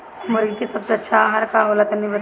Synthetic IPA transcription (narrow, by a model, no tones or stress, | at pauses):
mʊɾɡikisɐbseɐtːʃʰaɦɐɾkaɦoːlət̪ɐnːibɐ